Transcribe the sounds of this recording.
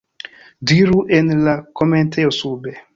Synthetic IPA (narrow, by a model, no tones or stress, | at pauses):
diɾuʔenlakomenteosube